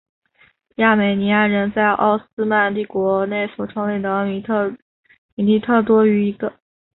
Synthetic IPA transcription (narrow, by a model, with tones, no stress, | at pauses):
ja˥˩me˨˩ɪni˧˥a˥˩ɻə˧˥nt͡sa˥˧ɪʔɑ̰˥˩ʊsɹ̩˥ma˥˧nt̪i˥˩kwɔ˧˥ne˥˩ɪswɔ˨˩ʈ͡ʂʰɤ˧˥ŋle˥˩ɪd̪ə˩˧˥ | mi˧˩li˥˧t̪ʰɤ˥˩t̪wɔ˥y˧˥i˧˥ɡə˧